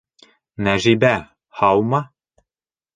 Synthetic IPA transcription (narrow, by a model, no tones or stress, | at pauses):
næʒibæ | hɑwmɑ